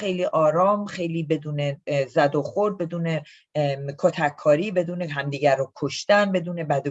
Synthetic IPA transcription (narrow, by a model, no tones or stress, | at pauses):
xe̞jliːʔɒːɾɒːmxe̞jliːbe̞d̪uːne̞zæd̪oxoɾd̪̚be̞d̪uːne̞ | kʰot̪ʰækʰːɒːɾiːbe̞d̪uːneɦæmd̪iːɟæɾokʰoʃt̪ænbe̞d̪uːne̞bæd̪o